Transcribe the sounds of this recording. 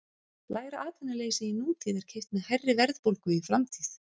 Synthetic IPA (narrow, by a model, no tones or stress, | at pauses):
laːjɾaʔaːt̪ʰanːaleːjsɪinuːt̪ʰiːðɛɾ̥cʰejst̪mɛðhajrːɪvɛɾðpowlkʏifɾamt̪ʰiːθ